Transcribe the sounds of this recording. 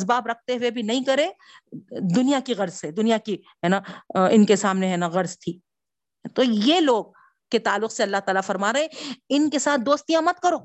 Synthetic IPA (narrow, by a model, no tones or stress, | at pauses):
sbaːbɾɐk̚ʰt̪eɦʊebʱinɐɦĩkɐɾẽ | d̪ʊnijakiɣɐɾzsed̪ʊnijaki | ɦɛːnaɪnkesaːmneɦɛːnaɣɐɾzt̪ʰiː | t̪ojeloːɡ̚ | kːet̪aːlːʊqseɐlːaɦt̪aːlafɐɾmaːɾɐɦẽɪnkesaːt̪̚ʰd̪oːst̪ijãmɐt̪̚kɐɾoː